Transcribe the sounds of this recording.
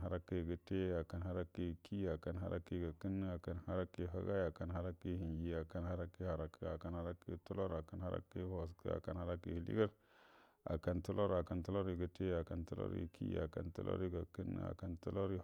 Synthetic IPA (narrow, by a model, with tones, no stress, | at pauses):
a˦ɾa˦kə˦˨ɡə˨te˦a˨ka˨nha˦ɾa˦ki˨ki˦a˨ka˨nɦa˦ɾa˦ki˦˨ɡa˨kə˦n˦a˨ka˨nha˦ɾa˦ki˨ɦa˦ɡa˦a˨ka˨nha˦ɾa˦ki˦˨hi˨ŋd͡ʒi˨a˨ka˨nha˦ɾa˦ki˦ha˨ɾa˦ka˨ka˨nha˦ɾa˦kḭ˨tu˦lo˦ɾa˨ka˨nha˦ɾa̰˦ki˦ho˨s̬kə̰˦a̰˨ka˨nha˦ɾa˦kḭ˨hlḭ˦ɡa˦ɾ | a̰˨ka˨ntu˦lo˦ɾa˨ka˨ntu˦lo˦ɾi˨ɡə˨te˦a˨ka˨ntu˦lo̰˦ɾḭ˨kʰḭ˦a̰˨ka̰˨ntṵ˦lo̰˦ɾi˦ɡa˨kə˦n̰˦a̰˨ka˨ntu˦lo˦ɾi˦